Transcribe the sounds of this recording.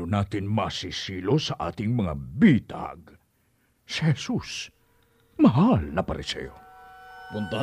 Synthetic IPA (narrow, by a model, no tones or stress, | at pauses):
onaːt̪ɪnmɐsisiːlo̞sɐʔa̰ːt̪ɪŋmɐŋa̰biːt̪a̰ɡ | sɪhɛsus | mɐɦalnɐpɐɾɪsɛ̰jo̰ | pʊnt̪a